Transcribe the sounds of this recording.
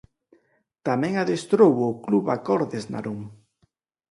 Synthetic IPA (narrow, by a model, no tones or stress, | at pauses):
t̪amɛ̃ŋaðest̪ɾowokluβakɔɾðezna̰ɾuŋ